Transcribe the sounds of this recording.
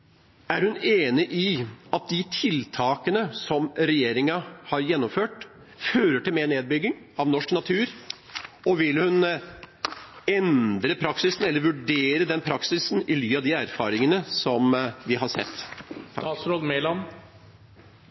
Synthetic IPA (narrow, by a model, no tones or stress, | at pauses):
æɾhʉneːnɪʔɪɑt̪̚d̪ɪt̪ʰɪlt̪ʰɑːkənəsɔmɾɛjeːɾɪŋɑhɑɾjɛnːɔmføːʈ | føːɾəʈɪlmeːɳeːd̪̚bʏɡːɪŋ | ɑʋnɔʂknɑt̪ʰʉːɾ | ɔʋɪlhʉn | ɛnd̪ɾəpʰɾɑksɪsn̩ɛlːəɾʋʉɖeːɾəd̪ɛnpʰɾɑksɪsn̩ɪlyːɑd̪ɪæɾfɑːɾɪŋənəsɔmʋɪɦɑɾsɛ̰t̪ːʰ | ɾod̪melɑm